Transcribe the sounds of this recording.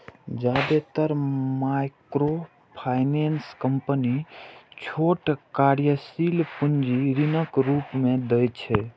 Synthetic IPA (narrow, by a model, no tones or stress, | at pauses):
d͡ʒad̪et̪əɾmajkɾo | pʰajnenskəmpənit͡ʃʰoʈkaɾjəsilpund͡ʒiɾinəkɾupmẽd̪əjt͡ʃʰɛ